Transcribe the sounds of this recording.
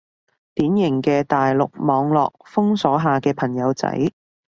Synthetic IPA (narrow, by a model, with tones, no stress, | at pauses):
t̪iː˨˥njɪ˨˩ŋkɛː˧t̪aː˨jlʊ̰˨k̚mɔː˨˧ŋlɔː˨k̚fʊ˥ŋsɔː˨˥ɦaː˨kɛː˧pʰɐ˨˩ŋjɐ˨˧wt͡sɐ̰˨˥j